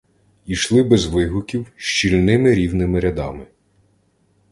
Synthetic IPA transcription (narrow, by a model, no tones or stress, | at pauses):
iʃlˠɪbɛzʋɪɦʊkʲiwʃt͡ʃilʲnɪmɪɾʲiwnɪmɪɾʲɐd̪ɑmɪ